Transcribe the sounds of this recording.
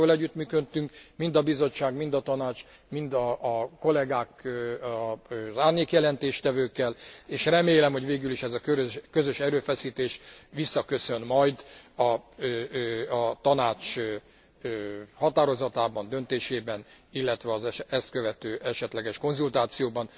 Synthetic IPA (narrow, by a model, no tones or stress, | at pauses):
olɛɟːyt̪myːkøt̪ːyŋkmind̪ɒbizo̞t͡ʃːaːɡmind̪ɒt̪ɒnaːt͡ʃ | mind̪ɒʔːko̞lɛɡaːk | zaːrɲeːkjɛlɛnt̪eːʃt̪ɛvøːkːɛleːʃrɛmeːlɛmho̞ɟʋeːɡyliʃɛzɒkøkøzøʃɛɾøːfɛsiːt̪eːʃʋisːɒkø̞sø̞nmɒjd̪ɒ | ɒt̪ɒnaːt͡ʃ | øhɒt̪aːɾo̞zɒt̪aːbɒnd̪ø̞nt̪eːʃeːbɛnilːɛt̪ʋɛɒzɛɛst̪̚køvɛt̪øːʔɛʃɛt̪lɛɡɛʃko̞nzult̪aːt̪sijoːbɒn